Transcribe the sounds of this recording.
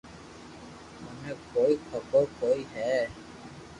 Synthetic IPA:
ʊnẽkoːikʰəkokoːiɦɛː

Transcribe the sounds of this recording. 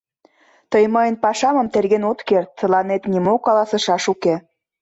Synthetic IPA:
t̪əjməjənpɑʃɑmə̆mt̪erɣenot̪kert̪̚t͡sə̆lɑnet̪nimokɑlɑsɤ̆ʃɑʃuke

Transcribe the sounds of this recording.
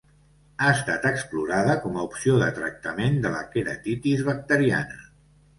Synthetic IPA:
aəst̪at̪əkspluɾaðəkɔməupsioðət̪ɾə̰k̚t̪əmend̪ələ̰keɾə̰t̪it̪izβək̚t̪əɾia̰nə

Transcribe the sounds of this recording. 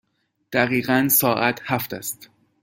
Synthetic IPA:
d̪̥æɣiːɣænsɒːʔæt̪ʰhæft̪æst̪

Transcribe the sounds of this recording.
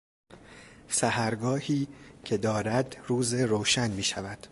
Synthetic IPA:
sæhæɾɡɒːhiːcʰe̞d̪ɒːɾæd̪ruːzeɾoːʃænmiːʃævæd̪̥

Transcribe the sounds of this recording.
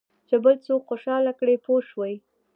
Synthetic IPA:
t͡ʃebəlt͡sokxoʃɑlakɽepoʃwəj

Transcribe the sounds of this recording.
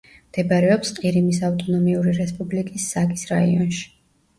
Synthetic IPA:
md̪̥ɛbaɾɛɔpsqʼiɾimisaft̪ʼɔnɔmiuɾiɾɛspʼublikʼisːaɡisɾaiɔnʃi̥

